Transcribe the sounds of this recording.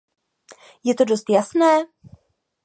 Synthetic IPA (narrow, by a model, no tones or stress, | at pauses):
jɛt̪odo̞st̪jasnɛː